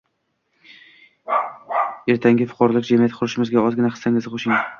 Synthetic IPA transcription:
e̞ɾt̪ʰaŋɡʲɪfʊ̥qʰɒɾɒlˠɪkʲd͡ʒamijat̪qʰʊɾʊʃɪmɪzɡʲaɒzɡʲɪnaχɨ̥saŋɪzɪqʰoʃɪŋ

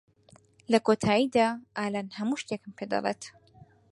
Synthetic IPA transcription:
lɐkʰoːt̪ʰaːid̪aːʔaːlaːnhɐmuːʃt̪ekɨmpʰed̪ɑ̰lḛt̪

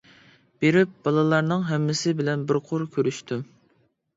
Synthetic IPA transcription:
b̥eɾɪp̚b̥ɑlˠɨlˠɑɾnɨŋɦɛmːɪsɪbɪlɛnbɪɾqʰʊɾkʲʰøɾyʃt̪ym

